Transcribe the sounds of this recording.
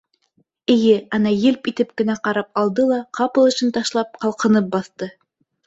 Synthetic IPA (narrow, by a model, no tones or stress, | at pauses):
ɘ̆jɘɑnɑjɘlpit̪ɘp̚kɘ̆næqɑɾɑp̚ɑlˠd̪ɤlˠɑqɑpɤ̆lˠɤ̆ʃɘnt̪ɑʃlˠɑp̚qɑlˠqɤ̆nɤp̚bɑθt̪ɤ